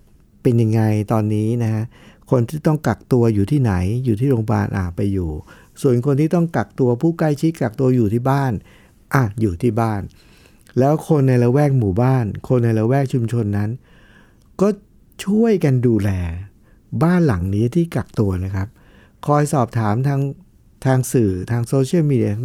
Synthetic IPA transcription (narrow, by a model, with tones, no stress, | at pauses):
pe˧nja˧ŋːa˧jt̪ɔː˧nːiː˦˥na˦˥kʰa˦˥ʔ | kʰo˧nt̪ʰiː˥˩t̪ɔ˥˩ŋka˨˩k̚t̪u˧ɐjuː˨˩t̪ʰiː˥˩na˩˦jjuː˨˩t̪ʰiː˥˩ɾoː˧ŋba̰ː˧˩nʔa̰ː˨˩pa˧jːuː˨˩ | su˨˩ənkʰo˧nt̪ʰiː˥˩t̪ɔ˥˩ŋka˨˩k̚t̪u˧ɐpʰuː˥˩kla˥˩jt͡ɕʰi˦˥t̪̚ka˨˩k̚t̪u˧ɐjuː˨˩t̪ʰiː˥˩baː˥˩n | ʔa˨˩juː˨˩t̪ʰiː˥˩baː˥˩n | lɛː˦˥wkʰo˧nːa˧jɾa˧wɛː˥˩k̚muː˨˩˦baː˥˩nkʰo˧nːa˧jɾa˧wɛː˥˩k̚t͡ɕʰu˧mt͡ɕʰo˧nːa˦˥n | kɔː˥˩ | t͡ɕʰu˥˩əjka˧nduː˧lɛː˧ | baː˥˩nla˩˦ŋniː˦˥t̪ʰiː˥˩ka˨˩k̚t̪u˧ɐna˦˥kʰa˦˥p̚ | kʰɔː˧jsɔː˨˩p̚t̪ʰaː˩˦mt̪ʰaː˦˥ŋ | t̪ʰaː˧ŋsɯː˨˩t̪ʰaː˧ŋsoː˧t͡ɕʰi˥˩miː˧di˧